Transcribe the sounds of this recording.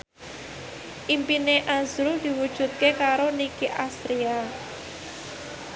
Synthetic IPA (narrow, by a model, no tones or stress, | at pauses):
ʔimpineʔazɾud̪̥i̤wud̥ʒ̥ṳt̪̚kekaɾonikiʔast̪ɾia